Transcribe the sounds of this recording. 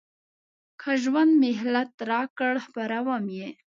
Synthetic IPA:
kʰaʒwand̪mɪɦlat̪ɾɑkəɽhpaɾawamje

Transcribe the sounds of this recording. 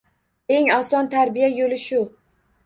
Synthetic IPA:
e̞ŋɒsɒnt̪ʰaɾbijajolɪʃʊ

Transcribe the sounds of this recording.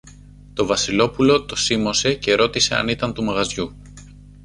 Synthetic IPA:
t̪o̞vɐsilo̞pulo̞t̪o̞simo̞se̞ce̞ɾo̞t̪ise̞ɐ̰nit̪ɐnt̪umɐɣɐzʝu

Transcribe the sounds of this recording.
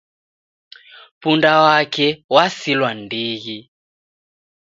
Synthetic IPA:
pundawakʰɛwasilwandiːɣi

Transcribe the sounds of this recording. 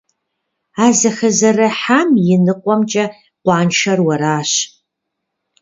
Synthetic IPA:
aːzɐxɐzɐrɐħamjɪnɨqʷʼɔmt͡ʃʼɐ | qʷɑːnʃɐrwɐɾaːɕ

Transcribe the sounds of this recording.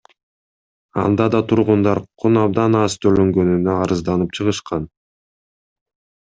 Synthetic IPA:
ɑ̰nd̪ɑd̪ɑt̪ʰuɾʁund̪ɑɾqʰːunɑb̚d̪ɑnɑst̪ʰøløŋɡø̞nynøɑɾɯzd̪ɑnɯp̚t͡ʃʰɯʁɯʃqɑn

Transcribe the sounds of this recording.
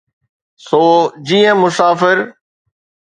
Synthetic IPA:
soːd͡ʑiːə̃mʊsaːfɪɾ

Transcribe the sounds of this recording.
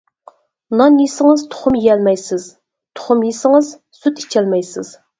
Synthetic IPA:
nɑnisɪŋɨzt̪ʰʊ̥χʊmiɛlmɛjsɪz̥ | t̪ʰʊ̥χʊmjisɪŋɨz | syt̪i̥t͡ʃʰɛlmɛjsɪ̰z̥

